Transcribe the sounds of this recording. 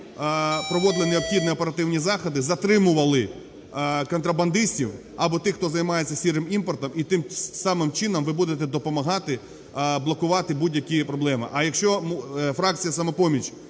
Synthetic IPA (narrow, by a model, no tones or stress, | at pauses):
pɾɔʋɔd̪ɪlˠɪneɔpxʲid̪nɛɔpeɾɐt̪ɪwnʲizɑxɔd̪ɪzɐt̪ɾɪmʊʋɐlˠɪ | kɔnt̪ɾɐbɐnd̪ɪsʲtʲiw | ɐbɔt̪ɪxt̪ɔzɐjmɑjet͡sʲːɐsʲiɾɪmimpɔrt̪ɐmit̪ɪmsɑmɪmt͡ʃɪnɐmʋɪbud̪et̪ɛd̪ɔpɔmɐɦɑt̪ɪ | blˠɔkʊʋɑt̪ɪbudʲjɐkʲipɾɔblˠɛmɪ̰ʔɐjɐkʃt͡ʃɔmfɾɑk̚t͡sʲijɐsɐmɔpɔmʲit͡ʃ